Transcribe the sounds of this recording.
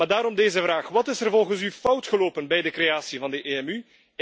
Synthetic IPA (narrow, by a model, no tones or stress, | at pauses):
adaːɾɔmdeːzəvraːxʋɑtɪsərvɔlˠɣənsyfʌwtxəloːpənbɛjdəkrejaːsivɑndəʔeːɛmy